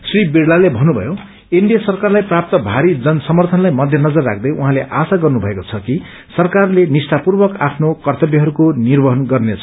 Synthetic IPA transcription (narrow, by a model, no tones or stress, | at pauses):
sribiɽlalebʱʌnːubʱʌ̰jo | iɳɖijasʌrkarlajprap̚t̪ʌbʱaɾid͡zʌnsʌmʌrt̪ʰʌnlajmʌd̪ʱjʌnʌd͡zʌrːa̰kʰd̪ʌjuɦãleʔasaɡʌrnubʱʌekot͡sʰʌki | sʌrkarlenisʈapurbʌkapʰnokʌrt̪ʌbjʌɦʌɾukonirbʌɦʌnɡʌrnet͡sʰʌ̥